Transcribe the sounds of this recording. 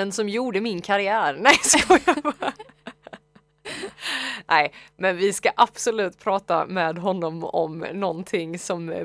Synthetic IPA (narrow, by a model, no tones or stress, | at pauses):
ənsɔmjuːɖəmɪnkʰaɾɪæːɾnɛjsɔjɑv | nʔɛɪmɛnvɪskaʔab̥sɔlʉ̟ːt̪pʰɾɑːt̪a̰mɛːd̪ɦɔnːɔmɔ̰mnɔnt̪ʰɪŋsɔm